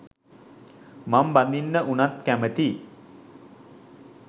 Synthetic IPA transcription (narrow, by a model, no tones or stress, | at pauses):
mamband̪inːəʔunat̪kæmət̪i